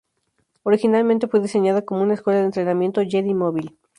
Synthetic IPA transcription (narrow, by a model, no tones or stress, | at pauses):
o̞ɾixinalmẽnt̪e̞fwe̞ðise̞ɲaðako̞mo̞unaeskwe̞laðent̪ɾenamje̞nt̪oʝeðimoβil